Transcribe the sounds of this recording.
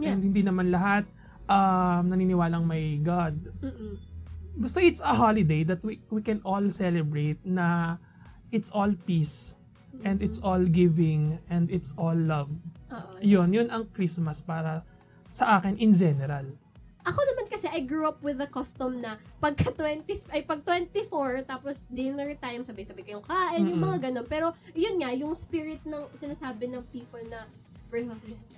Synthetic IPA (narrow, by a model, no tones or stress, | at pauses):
ɛnd̪̚hɪnd̪inɐmanlɐɦat̪̚ | ʔɐmnɐninɪwaːlɐŋmɐjɡad̪̩̚ | bɐst̪ɐʔɪt̪sɐɦolɪd̪ejd̪ɐt̪̚wiwikɛnolsɛlɛbɹet̪̚nɐ | ʔɪt̪sʔolpis | ʔɛnd̪ɪt̪sʔolɡɪvɪŋʔɛnd̪ɪt̪sʔɔlːɐvoʔjonjʊnʔɐŋkɾismɐspaːɾɐ | sɐʔaːkɪnʔɪnd͡ʒɛnɛɾal | ʔɐko̞nɐmankɐsɛʔɐjɡɹuɐpwɪðɐkɔst̪ɔmnɐpɐɡ̚kɐt̪wɛnt̪ifʔɐjpɐɡ̚t̪wɛnt̪ifoɹt̪aːposd̪ɪmɛɹt̪aːjʊmsɐbɐjsɐbɐjkɐjʊŋkaːʔɪnjʊŋmɐŋaɡɐnonpɛːɾo̞jʊnŋajʊŋspiɹɪt̪̚nɐŋsɪnaːsaːbɪnɐŋpiːpɐlnɐ | vɛsɔfd͡ʒɪs